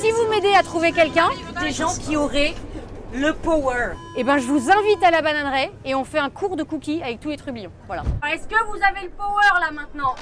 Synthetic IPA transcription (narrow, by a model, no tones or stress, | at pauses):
sivumed̪eat̪χuvekʲɛlkʲɛ̃ | d̪eʒɑ̃kʲiɔʁɛləpoœʁ | ebɛ̃ʒəvuzɛ̃vit̪alabananʁɛeɔ̃fɛɛ̃kʰuʁd̪əkukʲiavɛk̚t̪ulet̪χyblijɔ̃vwala̰ɛskəvuzaveləpoœʁlamɛ̃t̪nɑ̃